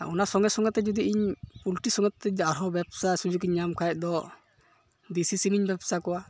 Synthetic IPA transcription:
aɔnasɔŋɛsɔŋɡɛt̪ːɛd͡ʒɔd̪iiɲpulʈisɔŋɛt̪ːɛaɾɔbɛbsasud͡ʒukiɲːamkʰajɛʔ̚d̪ɔ | d̪isisiniɲbɛbsakɔwa

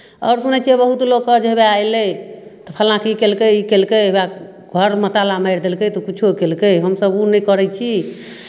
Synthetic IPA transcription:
ɔːɾsunɛt͡ʃʰebəɦut̪loɡkːəd͡ʒeɦbeajlət̪ɔpʰɛlãkikelkəikelkəba | ɡʱəɾmət̪alamaɪɾd̪elkəjt̪ɔkit͡ʃʰokelkəjɦəmsəbunəjkəɾɛt͡ʃʰi

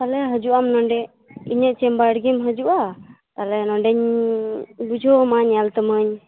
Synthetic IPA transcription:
t̪alɛɦəd͡ʒuʔamnɔɳɖɛ | iɲəʔt͡ʃɛmbaɽɡimɦəd͡ʒuʔa | t̪alɛnɔɳɖɛɲ | bud͡ʒʱɔmaɲjalt̪əməɲ

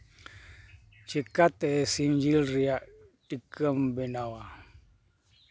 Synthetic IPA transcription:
t͡ʃikat̪esind͡ʒilriaʔʈikəmbenawa

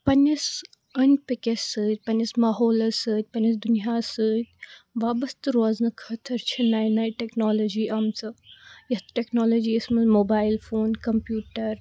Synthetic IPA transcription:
pɐnʲɐs | ɐnʲpikʲesɨːt̪̚ʲpɐnɐsmaːɦoːlɐsɨːt̪̚ʲpɐnʲɐsd̪unijaːsɨːt̪̚ʲʋaːbɐst̪ɨɾoznɨkʰɐt̪ʰɐɾt͡ʃʰinaːjnajʈeknoːloːd͡ʒiːʔɐmt͡sɨjɐt̪ʈeknoːloːd͡ʒiːɐsmɐzmoːbaːjilfoːnkɐmpjuːʈɐɾ

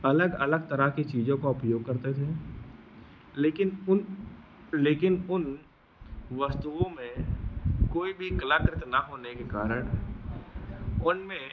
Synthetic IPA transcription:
ɐləɡɐləɡ̚t̪ɐɾakit͡ʃiːd͡ʒõkaʊpjoːɡ̚kɐɾt̪et̪ʰe | leːkɪnʊ | leːkɪnʊn | ʋɐst̪uːõmẽ | koːibʱikɐləkɾɪt̪naɦoːnekekaːɾəɽ̃ | ʊnmẽ

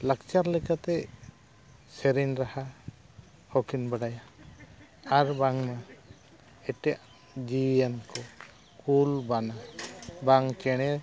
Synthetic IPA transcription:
lakt͡ʃaɾlɛkat̪ɛ | sɛɾinɾaha | hɔkinbəɽaja | aɾbaŋma | ɛʈɛaʔ | d͡ʒienkɔ | kulbanabaŋkɛɽ̃ɛ

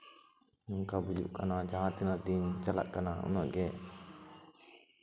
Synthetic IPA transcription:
nuŋkabud͡ʒṵʔkanad͡ʒaɦãt̪inad̪int͡ʃala̰ʔkanaṵnaʔɡɛ

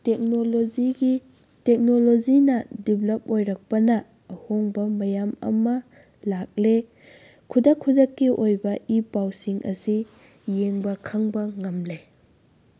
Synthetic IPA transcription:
tekoli | tek̚nolozinɐdiblɐp̚ojɾɐk̚pɐnɐː | hoŋbɐmɐjamɐ̰mɐ | lak̚le | kʰudɐkʰːudɐkːiʔojbɐʔipawsiŋʔɐ̰si | jeŋbɐkʰɐŋbɐŋɐmle

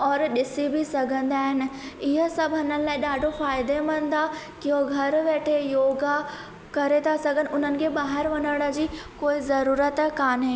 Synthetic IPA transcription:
ɔːɾɗɪsibʱɪsɐɡʱə̃nd̪aːɦɪnɪ̆ɪɦəsɐbʱɐnənɪ̆laːɪɗaːɖʱofaːɪd̪emɐ̃nd̪a | kɪoɡʱɐɾʋeːʈʰejoːɡa | kɐɾet̪ʰasɐɡʱənɪ̆ʊn̤ənɪ̆kʰeːɓaːɦɪɾʋɐnəɽ̃ə̆d͡ʑiːkoːizɐɾuːɾət̪kaːnɦẽː

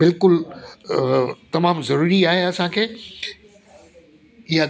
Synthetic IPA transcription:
bɪlkʊl | t̪ɐmaːmzɐɾuːɾiaːɦeɐsãkʰeː | ɪɦa

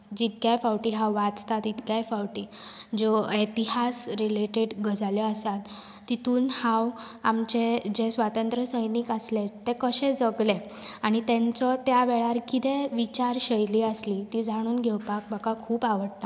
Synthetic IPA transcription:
d͡ʑit̪̚kjajfawʈiːɦawʋat͡st̪at̪it̪kjajfawʈiːd͡zoet̪iɦasɾileʈeɽɡəd͡zaljɔasat̪ː | it̪uːnhãw | amt͡ɕed͡ʑesʋat̪ənt̪ɾəsəjnikaslet̪ːekəɕẽd͡zəɡle | aɽ̃it̪ẽnt͡sɔt̪jaʋeɭaɾkit̪eʋit͡ɕaɾɕəjliːəsliːt̪iːd͡zʱaɽ̃uːnɡʱɛwpak̚bʱaɡakʰuːpaʋəɽt̪a

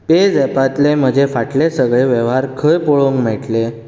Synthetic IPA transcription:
p̪ed͡zɛpat̪lem̤əd͡ʑʱefaʈlesəɡɭeʋeʋɦaɾkʰəjpoɭoŋkm̤eʈle

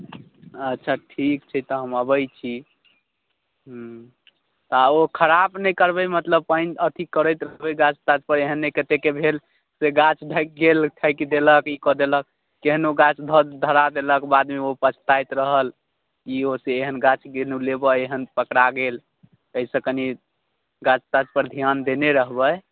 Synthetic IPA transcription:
ətːt͡ʃʰaʈʰikt͡ʃʰɛt̪ɔɦəməbəjt͡ʃʰi | ɦ | t̪aokʰəɾabnəjkəɾbəjmət̪ləb̚pəjnət̪ʰikəɾəjt̪ɾəɦbəjɡãt͡ʃʰt̪at͡ʃpəɾeɦənːekət̪ekebʱel | seɡat͡ʃʰd̪ʱəjk̚ɡelʈʰəjkd̪eləkikɔd̪elək̚ː | eɦnoɡat͡ʃʰd̪ʱəd̪d̪ʱəɾad̪eləkbad̪meopət͡ʃʰt̪ajt̪ɾəɦəl | kioseːɦənɡat͡ʃʰɡelulebəeɦənpəkɽaɡel | əisə̃kəni | ɡat͡ʃt̪ad͡ʒpəɾd̪ʱijand̪eneɾəɦbəj

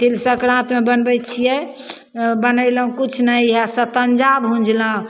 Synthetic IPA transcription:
t̪elsəkɾãt̪mebənbɛt͡ʃʰijɛ | bənəjləũkut͡ʃʰnəjɦasət̪ənd͡ʒabɦũnd͡ʒlə̃

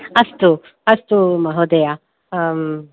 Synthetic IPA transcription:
ɐst̪u | ɐst̪umɐɦod̪eja

